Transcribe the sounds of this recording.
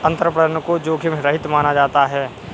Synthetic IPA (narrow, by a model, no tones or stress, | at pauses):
ɐ̃nt̪əɾpɾəənkod͡ʒoːkʰemɾəɦɪt̪maːnad͡ʒaːt̪aɦɛː